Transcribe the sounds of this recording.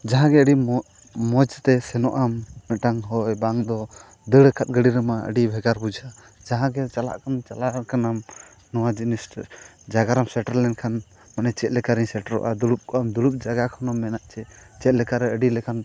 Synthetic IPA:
d͡ʒaɦãɡɛəɖi | mɔd͡ʒt̪ɛsɛnɔʔamːɛʈaŋɦɔjbaŋd̪ɔ | d̪əɽəkʰat̪̚ˀɡəɽiɾəmaə̰ɖibʱɛɡaɾbud͡ʒʱa | d͡ʒaɦãɡɛt͡ʃala̰ʔkant͡ʃalaɾkanam | nɔwad͡ʒinis | d͡ʒaɡaɾamsɛʈaɾlɛnkʰan | manɛt͡ʃɛt̪̚lɛkaɾiɲsɛʈaɾɔ̰ʔa̰d̪uɽup̚kʰɔʔamd̪uɽup̚d͡ʒaɡakʰɔnɔmːɛnaʔt͡ʃɛt͡ʃɛt̪̚lɛkaɾɛəɖilɛkʰan

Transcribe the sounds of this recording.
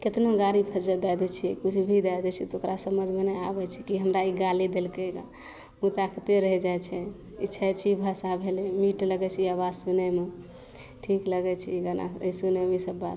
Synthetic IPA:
ket̪noɡaɾipʰəd͡ʒəd̪ad̪ɛt͡ʃʰiɛkut͡ʃʰbʱid̪ajd̪ɛt͡ʃʰit̪okɾʔasəməd͡ʒʱmenɛabɛt͡ʃʰɛkiɦəmɾaiɡalid̪elkeɡa̰ | mut̪akʰət̪eɾəɦɛd͡ʒajt͡ʃʰɛ | itːʃʰɛt͡ʃʰibʱasabʱelemiʈləɡɛt͡ʃʰiəβad͡ʒsunɛme | ʈʰikləɡɛt͡ʃʰiɡəna̰əisunɛmisəbːat̪

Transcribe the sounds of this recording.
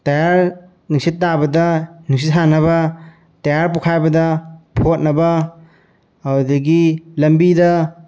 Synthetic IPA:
tɐjaɾ | niksitːabɐdɐnik̚sitɦanɐβɐ | tɐjaɾpokʰajbɐdɐpʰot̚nɐbɐ | ɐwdɐɡilɐmbidɐ

